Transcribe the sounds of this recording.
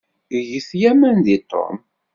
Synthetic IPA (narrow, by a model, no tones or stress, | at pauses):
jəθjæmænd̪it̪ˤːo̰m